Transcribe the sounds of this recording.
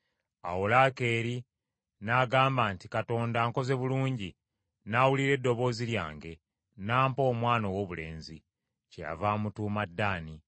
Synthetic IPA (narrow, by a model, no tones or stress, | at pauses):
a̰wolake̞ːɾi | naːɡaːmbaːntikato̞ːndaːŋko̞ze̞βuluːɲɟi | nawuliɾe̞dːo̞βo̞ːzilja̰ːŋɡe̞ | naːmpo̞ːmwaːnowo̞βule̞̰ːnzi | ceja̰vaːmutuːmadːaːni